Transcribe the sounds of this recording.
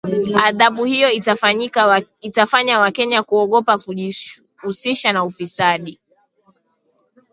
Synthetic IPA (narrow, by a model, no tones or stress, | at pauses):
aðaɓuhijɔ | itafaɲawakɛɲakuɔɠɔpa | usiʃanaufisaɗi